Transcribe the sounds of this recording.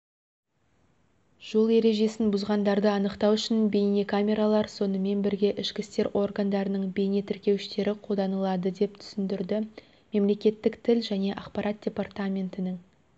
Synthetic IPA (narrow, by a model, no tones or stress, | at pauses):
ʒ̥o̞lˠe̞ɾe̞ʒe̞sɪnbʊzʁɑnd̪ɑɾd̪əɑnəqt̪ɑwʏʃɪnbe̞jne̞kʰamʲe̞ɾalˠɑɾso̞nəme̞nbɪɾɡʲe̞ʔɪʃkʲɪst̪e̞ɾʔo̞rɡand̪ɑɾənəɴbe̞jne̞t̪ʰɪɾkʲe̞wɪʃt̪e̞ɾɪqʰod̪ɑnəlˠɑd̪əd̪e̞p̚t̪ʰʏ̥sɪnd̪ɪɾd̪ɪ | me̞mle̞kʲe̞t̪ːɪkt̪ʰɪlʒæne̞ʔɑqpɑɾʔɑt̪̚d̥̪ʲe̞part̪amʲe̞nt̪ɪnɪŋ